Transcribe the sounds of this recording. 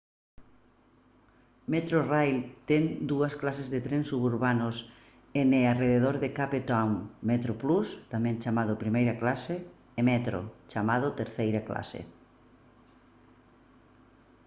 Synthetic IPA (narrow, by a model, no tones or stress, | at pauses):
met̪ɾorajlt̪ɛŋd̪uɐsklasezðet̪ɾensuβuɾβanʊs | eneareðeð̞oɾðɪkapet̪aŋmet̪ɾoplust̪amɛ̃ŋt͡ʃamaðʊpɾimejɾɐklaseː | mɛt̪ɾo̰t͡ʃamaðʊt̪eɾθejɾaklʔa̰sḛ